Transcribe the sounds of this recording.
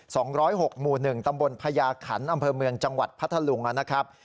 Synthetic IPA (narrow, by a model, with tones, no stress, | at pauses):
sɔː˩˦ŋɾɔː˦˥jɦo˨˩k̚muː˨˩nɯ˨˩ŋt̪a˧mbo˧npʰa˧jaː˧kʰa̰˩˦nʔa˧mpʰɤː˧mɯ˧əŋt͡ɕa˧ŋwa˨˩t̪̚pʰa˦˥t̪ʰːa˧lu˩˦ŋʔa˨˧˩na˦˥kʰɾa˦˥p̚